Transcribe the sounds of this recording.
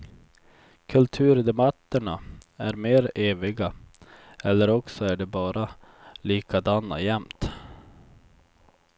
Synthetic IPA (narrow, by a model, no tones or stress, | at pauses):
kʰɵlt̪ʰʉ̟ːɾd̪ɛmat̪ːəɳaæɾmeːɾeːvɪɡa | ɛlːəɾɔksɔæɖɛbɑːɾa | liːkad̪anːa̰jɛmt̪